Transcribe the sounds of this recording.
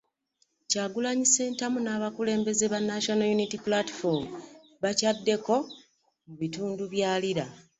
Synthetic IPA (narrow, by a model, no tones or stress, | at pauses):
caːɡulaɲise̞ːntamunaːβakule̞ːmbe̞zeβanːaʃonojunitipulati̥foɾmu | βacadːe̞ko̞ | muβituːnduβjaːliɾa